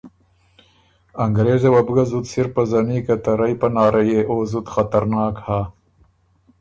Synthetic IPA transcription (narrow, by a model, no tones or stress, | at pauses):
aŋɡɾeːzewabɡazut̪siɾpazanikat̪aɾajpanɑːɾajeʔoːzut̪xat̪aɾnɑːkhaː